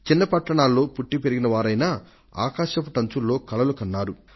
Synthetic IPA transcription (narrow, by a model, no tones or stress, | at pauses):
t͡ʃinːɐpɐʈːɐɳaːlːo̞ːpuʈːipe̞ɾiɡinɐʋaːɾɐjnaː | a̰ːkaːʃɐp̬uʈɐɲt͡ʃulːo̞ːkɐlɐlukɐnːaːɾu